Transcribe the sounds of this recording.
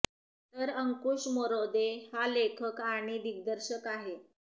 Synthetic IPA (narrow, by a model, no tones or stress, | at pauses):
t̪əɾəŋkuʂmoɾod̪ehalekʰəkaɳ̃id̪iɡ̚d̪əɾɕəkaɦe